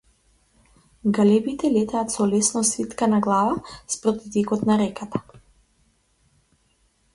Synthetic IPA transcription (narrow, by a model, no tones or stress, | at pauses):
ɡalɛbit̪ɛlɛt̪aːt̪sɔlɛsnɔsvit̪kanaɡlˠavaspɾɔt̪it̪ɛkɔt̪naɾɛkat̪ḁ